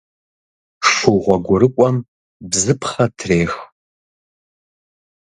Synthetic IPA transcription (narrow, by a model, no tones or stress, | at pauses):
ʂuʁʷɔɡʷʊɾɨkʷʼɔm | bzɨpʰχɐtʰreːx